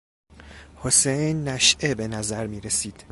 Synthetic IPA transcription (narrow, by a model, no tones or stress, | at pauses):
hosejnːæʃʔebe̞næzæɾmiːɾesiːd̪̥